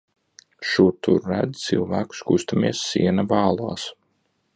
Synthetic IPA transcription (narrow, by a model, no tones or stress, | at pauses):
ʃut̪uɾːæd̪t̪silˠvæːku̥skust̪amiɛsːiɛnavɑːlˠuːs